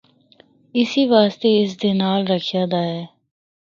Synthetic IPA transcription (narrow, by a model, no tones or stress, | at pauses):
ɪsiʋaːst̪eɪs̬d̪enaːlɾəkʰijaːd̪aːɦɛː